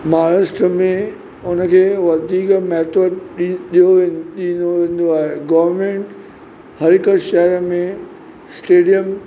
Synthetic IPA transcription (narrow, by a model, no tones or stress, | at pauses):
maːɾəsʈəmẽ | ʊnəkʰeːʋɐd̪ʱiːkmɛːt̪ʰoːɖɗijoʋeɗĩnoʋẽːn̆d̪oaːɦeɡɐʋəɾmẽːɳʈ | hɐɾɪkəʃɐɦɾəmẽ | sʈeːɖijəm